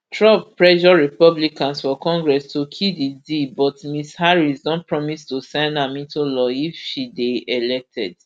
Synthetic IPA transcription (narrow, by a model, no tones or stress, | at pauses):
tʰɹɔvpɹɛʃɔɹipɔblikãnsfɔkɔ̃ŋɡɹɛstukʰididibɔtmishaɹisdɔ̃npɹɔmistusɛ̃ndãmĩntulɔifʃideelɛk̚tʰɛ̰d